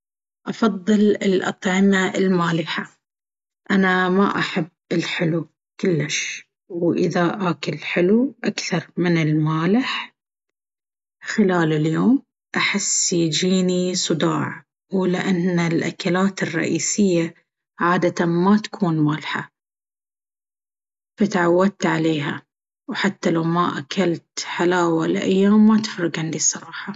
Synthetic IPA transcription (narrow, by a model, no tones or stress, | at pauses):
ʔɑfɑðˤːɨlɪlʔɑ̰t̪ˤʕɪmaɪlmaːlɪħa | ʔanama̰ʔaħabːɪlħɪlu | kʊlːɪʃ | wʔɪ̰ðaʔaːkɪlħɪluʔakθɑɾˤmɪnɪlmaːlɪħ | xɪlaːlɪljoːm | ʔaħɪsːjd͡ʒiːnisˤɨd̪ɑ̰ːʕ | wlɪʔanːalʔa̰kalaːt̪ɪrˤːɑ̰ʔiːsɪjːa | ʕaːd̪at̪amat̪ḁkʰuːnmaːlħa̰ | fat̪ʕawːad̪̚t̪ʕaleːɦa̰ | wħat̪ːalawmaʔakalt̪ħalaːwalɪ̰ʔa̰jːaːmːat̪ɪ̥fɾɪɡʕɪnd̪isˤɑɾˤɑːħɑ